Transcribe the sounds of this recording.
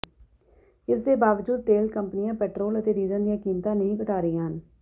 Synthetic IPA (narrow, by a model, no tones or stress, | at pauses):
ɪsd̪eːbaːʋəd͡ʒuːd̪̚t̪eːlkəmpnɪjãːpɛːʈɾoːlət̪eːɾiːzə̃nd̪ijãːkiːmt̪ãːnəɦĩːkəʈaːɾəiːãːɦən